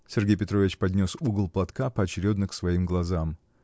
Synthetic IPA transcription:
sʲɪrɡʲejʲpʲɪt̪ɾovʲɪt͡ɕpɐdʲnʲo̞suɡəlˠplˠɐt̪kapəɐt͡ɕɪɾʲo̞d̪nəksvɐimɡlˠɐzam

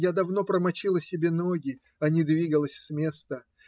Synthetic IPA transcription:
jad̪ɐvno̞pɾəmɐt͡ɕilˠəsʲɪbʲe̞no̞ɡʲɪ | ɐnʲid̪vʲiɡəlˠəsʲsmʲe̞st̪ə

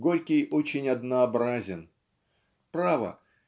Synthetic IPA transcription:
ɡoɾʲkʲɪjot͡ɕɪnʲɐd̪nəɐbɾazʲɪn | pɾavə̰

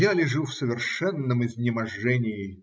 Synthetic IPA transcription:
jalʲɪʐufsəvʲɪrʂɛnːəmɪzʲnʲɪmɐʐːɛnʲɪɪ

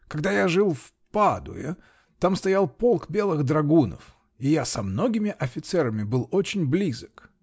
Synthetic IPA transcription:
kɐɡ̚d̪ajaʐɨlˠf | pad̪ʊ̰ɪ | t̪amst̪ɐjalˠpolˠkbʲe̞lˠɨɣd̪ɾɐɡunə̰f | ɪjasɐmno̞ɡʲɪmʲɪʔɐfʲɪt̪sɛɾəmʲɪbɨlˠot͡ɕɪnʲblʲizək

